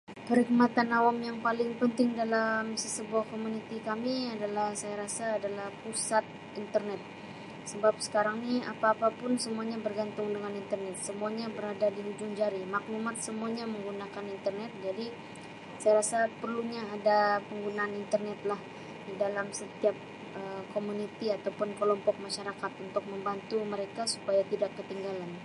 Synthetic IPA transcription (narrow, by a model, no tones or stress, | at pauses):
pəɾik̚mat̪anawamjaŋpalɪŋpənt̪ɪŋdalamsəsəbuahkomunit̪ikamiadalahsajaɾasaːdalahpusat̪̚ | int̪ərnɛt̪̚ | səbap̚sə̥kaɾaŋnia̰paːpapʊnsəmuaɲabərɡant̪ʊŋdəŋanint̪ərnɛt̪̚səmuaɲabəɾadadiɦud͡ʒʊŋd͡ʒaɾimak̚numat̪̚səmuaɲaməŋɡunakanint̪ərnɛt̪̚d͡ʒadi | sajaɾasapərluɲaːdapəŋɡunaːnint̪ərnɛt̪̚lah | didalamsət̪iap̚ | əkomunit̪iat̪awpʊnkəlɔmpɔk̚maʃaɾakat̪unt̪ʊk̚məmbant̪uməɾekasu̥pajat̪idakːət̪iŋɡalan